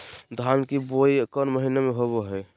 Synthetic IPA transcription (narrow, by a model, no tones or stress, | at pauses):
d̪ʱankibojkənməɦinemeɦoβeɦəj